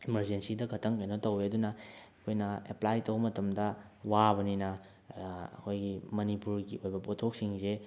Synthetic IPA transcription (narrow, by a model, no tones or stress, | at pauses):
imɐɾd͡ʒensidɐkʰɐtʰɐŋkɐjnotɐweɐdunɐɐkʰojnɐḛplajtowbɐmɐtɐmdɐwabɐninɐ | ɐ̰kʰojɡimɐnipuɾɡiʔojbɐpotʰok̚siŋze